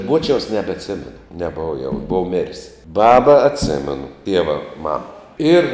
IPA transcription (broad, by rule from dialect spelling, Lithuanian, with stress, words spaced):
ˈbuɔt͡ʃʲɛʊs nʲɛbʲɛtʲˈsʲæːmʲɛnʊ nʲɛˈboːʋɐ jɛʊ ˈboːw mʲɪrʲsʲ ˈbɑːbɐ ɐtʲˈsʲæːmʲɛnʊ ˈtʲiɛʋɐ ˈmɑːmɐ ˈɪr